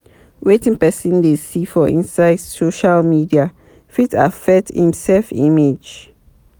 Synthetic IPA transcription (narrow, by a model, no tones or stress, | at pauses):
wetĩŋpɛsĩndesifɔʔḭ̃nsaɪd̥soʃalmidia | fita̰fɛthḭ̃msɛlfḭ̃med͡ʒ